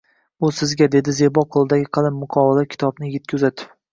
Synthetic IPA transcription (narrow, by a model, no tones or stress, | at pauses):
ʊsɪzɡʲad̪e̞d̪ɪzebɒqʰolˠɪd̪aɡʲɪqʰɨlˠɪmːʊqʰɒwɪlakʲʰɪ̥t̪ʰɒbnɪjɡʲɪt̪̚kʲʰzat̪ɪ̥